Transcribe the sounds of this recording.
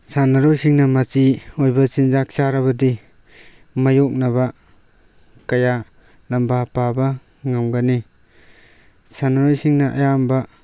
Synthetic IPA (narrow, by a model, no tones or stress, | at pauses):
sanaɾojsiŋnɐmat͡ʃiojbɐsinzak̚saɾaβɐdi | majok̚naβa | kaja | lambapaba | ŋamɡani | sanaɾojsiŋnaʔa̰jamba